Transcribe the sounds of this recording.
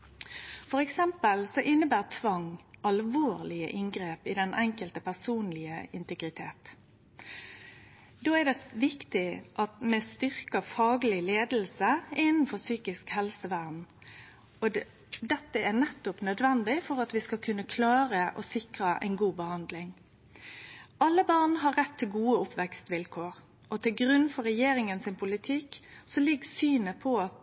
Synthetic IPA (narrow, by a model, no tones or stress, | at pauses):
fɔɾɛksɛmpəlsɔʔɪnːəbæːʁt̪ʰʋɑŋʔɑlʋoːʁlɪə̰ʔɪŋɡɾeːpɪd̪ɛnʔɛŋkəlt̪əpʰæsuːnlɪə̰ɪnt̪əɡɾɪt̪ʰeːt̪ | d̪oːæd̪ɛʋɪkt̪ɪʔɑt̪mɛst̪ʏʁkəfɑːɡəlɪleːd̪l̩səɪnn̩fɔsyːkɪskhɛlsəʋæːʁn | ɔ | d̪ɛt̪ːəænɛt̪ːʊpnœd̪ʋɛnd̪ɪfɔɾɑt̪ʋɪskɑkʰʉnːəkʰlɑːɾəʔɔ̰sɪkɾəʔɛ̰ɪnɡuːbəhɑnd̪lɪŋ | ʔɑlːəbɑʁnɦɑːɛt̪ʰːɪlɡuːəʊpʋɛkst̪ʋɪlkʰoːɾ | ʔɔt̪ʰɪlɡɾʉnfɔɾɛjeːɾɪŋənsɪnpʰʊlɪt̪ʰɪksɔlɪɡsyːnəpʰɔɑt̪